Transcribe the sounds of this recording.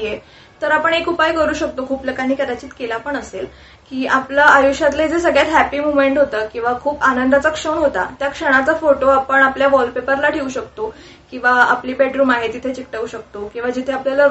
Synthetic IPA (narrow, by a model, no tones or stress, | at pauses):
je | t̪əɾapəɳɦekʰuːpajkəɾuːɕək̚t̪okʰuːpləkaniːkəɾat͡ɕiːt̪kelapəɳəsel | kiːʔaplaajuɕat̪laid͡zesəɡɭjat̪ɦæpiːmumeɳʈɦot̪əːkĩw̃ʋakʰuːpanənd̪ʱat͡sakʂənɦot̪a̰t̪jakʂəɽ̃at͡safoʈoapəɳapljaʋɔlpepəɾlaʈʰeuːɕəkt̪o | kĩw̃ʋaapliːbeʈɾuːmaɦit̪it̪ʰet͡ɕik̚ʈauɕək̚t̪okĩw̃ʋad͡ʑit̪ʰeapljalə